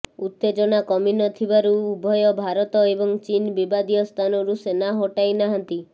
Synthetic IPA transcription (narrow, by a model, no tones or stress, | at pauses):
ut̪ːed͡ʒɔnakɔminɔt̪ʰibaɾuːbʱɔjɔbʱaɾɔt̪ɔebɔŋt͡ʃinbibad̪ijɔst̪ʰanɔɾusenaɦoʈajnaɦant̪i